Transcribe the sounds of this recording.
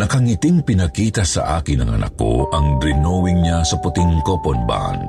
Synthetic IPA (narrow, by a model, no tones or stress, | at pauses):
nɐkɐŋɪt̪ɪŋpɪnɐkiːt̪ɐsɐ̰ʔa̰ːkɪnɐŋɐ̰nʔa̰ko̰ʔɐŋd̪ɾɪnowɪŋɲasɐpʊt̪ɪŋkoponba̰n